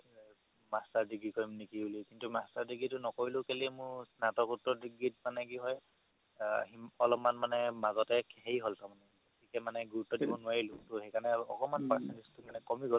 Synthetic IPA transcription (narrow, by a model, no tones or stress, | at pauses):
mastaɹdiɡɹikɔɹimnekibulikintumastaɹdiɡitʊnɔkoɹilʊkelimʊɹsnatɔkutːɔdiɡɹit̚manɛkiɦɔj | ɦiɔlɔpmanmanɛmazɔtɛkhejɦoltamanɛɡootʰikɛmanɛɡuɹutːɔdibɔnʊaɹilʊ̃tʊhejkanɛɔkɔmanpaɹsɛntistʊmanɛkɔmiɡɔ